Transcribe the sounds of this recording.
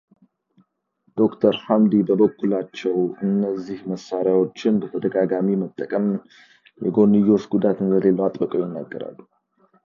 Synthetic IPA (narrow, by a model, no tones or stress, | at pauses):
d̪̥o̞kt̪ʰəɾhamd̪ibəbəkːulat͡ʃːɛwɨnːəzːihməsːaɾjawo̞t͡ʃːɪnbət̪ʰəd̪əɡaɡamimət̪ʼːəkʼəm | jɛ̰ɡo̞nːɨjːo̞t͡ʃɡud̪at̪ɨnzəlelːəwat̪ʼbəkʼojɪnːa̰ɡːə̰ɾa̰lːu